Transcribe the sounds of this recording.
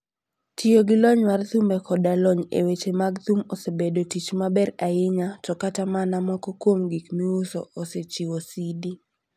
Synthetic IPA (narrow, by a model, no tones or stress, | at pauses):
tʰioɡɪlɔɲwart̪umbɛkʰɔdalɔɲḛwet͡ʃemaɡt̪umosebedotit͡ʃmabɛɾaɪɲatɔkatamanamɔkɔkwomɡikmiusɔ̰ʔoset͡ʃiwosidi